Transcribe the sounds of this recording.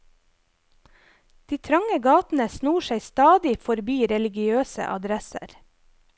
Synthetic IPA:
d̪̥iːt̪ʰɾɑŋəɡɑːt̪n̩əsnuːʃeɪst̪ɑːd̪ɪfɔɾbiːɾɛlɪɡɪøːsə̰ʔɑ̰d̪ɾɛsə̰ɾ

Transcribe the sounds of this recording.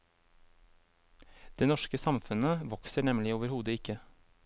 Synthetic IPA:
d̪̥eːnɔʃkəsɑmfʉnəʋɔksəɳɛmlɪoːʋəɾhuːd̪əɪkə

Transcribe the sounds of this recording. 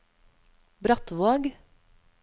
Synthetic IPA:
bɾɑt̪ʋoːɡ

